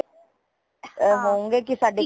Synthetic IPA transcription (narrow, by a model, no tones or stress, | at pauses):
ɦũŋɡek̬isaɖe